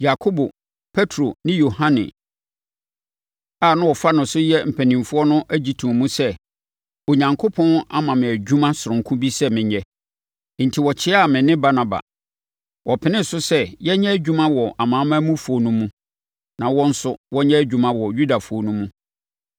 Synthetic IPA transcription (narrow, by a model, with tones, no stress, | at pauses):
ja˨kʰo˦bo˨ | pʰe˦tʰɾo˨nɪ̃˦jo˨hã˦nɪ̰̃˨ | a˨nʊ̃˦wɔ˨fa˦nʊ̃˨sʊ˦jɛ˦m̩˨pʰæ˨nĩ˨mfʊ˦ɔ˦nʊ̃˦ʔe˦d͡ʑi˨˦tʰu˨mũ˦sɛ˦ | o˨ɲã˨ŋkʰo˦pʰɔ̃˦na˦mã˨mɪ̃˨æ˨d͡ʑᶣu˦mã˦sʊ˨ɾʊ̃˨ŋ˨kʰũ˦bi˦sɛ˦mɪ̃˨ɲɛ˦ | n̩˨tʰi˨wɔ˨t͡ɕʰɪ˦a˦˨mɪ̃˨nɪ̃˦ba˦na˨ba̰˨ | wɔ˨pʰɪ˨nɪ̃˦sʊ˦sɛ˦jɛ˦ɲɛ˦æ˦d͡ʑᶣu˦mã˦wɔ˨ʔa˨mãː˨˦mã˦mũ˦fʊ˨˦ɔ˦nʊ̃˦mũ˦ | nã˨wɔ̃˦n̩˦sʊ˦wɔ˦ɲɛ̃˦æ˦d͡ʑᶣu˨mã˦wɔ˨ju˦da˨fʊ˨˦ɔ˦nũ˦mũ˦